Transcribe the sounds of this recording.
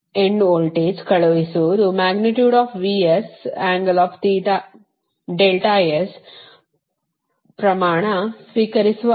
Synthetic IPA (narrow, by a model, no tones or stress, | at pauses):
ẽɳɖoːlʈeːd͡ʒkɐɭɐʋisuɾumaːɡniʈjuːɖaːfʰʋiːesaːŋɡɐlaːft̪iːʈ̪a | ɖelʈajes | pɾɐmaːɳ̃ɐsʋikɐɾisuʋɐ